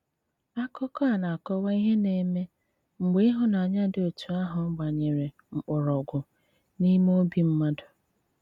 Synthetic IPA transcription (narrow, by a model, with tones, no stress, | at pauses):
a˦kɔ˦kɔ˦a˨na˨kɔ˦wa˦i˦ɦe˦ne˨me˦ | ŋ͡m̩˨ɡ͡be˦i˦ɦʊ˦na˨ɲa˦dɪ˦o˨tu˨a˦ɦʊ˨m̩˦ɡ͡ba˨ɲe˨ɾe˨ | ŋ͡m̩˨k͡pʊ˨ɾɔ˨ɡʷʊ˨ | ni˦mo˦bi˨m̩˦ma˦dʊ˨